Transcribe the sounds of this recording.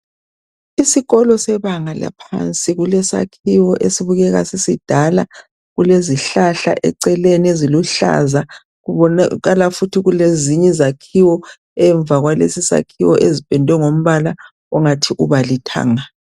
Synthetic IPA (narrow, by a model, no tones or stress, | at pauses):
isiɣɔlɔsɛβaŋala̰pʰa̰nt͡sʼiɣulɛsa̰kʰiwɔʔesiβuɣɛɣa̰sisid̥ʱala̰ | ɣuleziɬaɬa̰ʔɛ̰ǀɛlenieziluɬa̰za | ɣuβɔaɣalafutʰiɣuleziɲɛzakʰiwɔ | ɛɱb̪vʱaɣwalḛsisa̰kʰiwɔʔezib̥ʱɛndʱwɛŋom̩βala | ɔŋatʰiʔuβalitʰa̰ːŋa